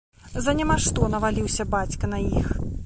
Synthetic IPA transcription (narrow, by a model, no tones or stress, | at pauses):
zɐnʲamaʂt̪ɔnɐvalʲiwsʲɐbat͡sʲkɐnɐjix